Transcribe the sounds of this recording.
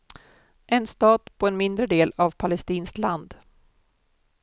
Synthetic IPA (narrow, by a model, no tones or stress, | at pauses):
ʔɛnst̪ɑːt̪pʰɔɛnmɪnd̪ɾəd̪eːlavpʰalɛst̪iːnskland̪